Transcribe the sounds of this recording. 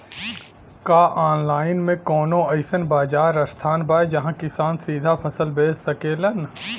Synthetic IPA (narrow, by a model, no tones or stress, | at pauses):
kaːʔaːnlaːɪnmẽkɔːnõɐɪsənbaːd͡ʒaːɾɐst̪ʰaːnbaːjd͡ʒɐɦãkɪsaːnsiːd̪ʱapʰɐsəlbeːsɐkeːlən